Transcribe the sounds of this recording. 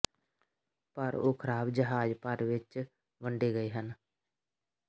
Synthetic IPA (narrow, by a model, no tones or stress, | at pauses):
pəɾo̰ːkʰɾaːbd͡ʒəɦaːd͡ʒpəɾʋɪt͡ʃ | ʋə̃ɳɖeɡəeːɦən